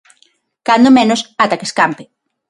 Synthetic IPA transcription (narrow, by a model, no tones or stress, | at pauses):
kand̪omẽnosat̪akeskampe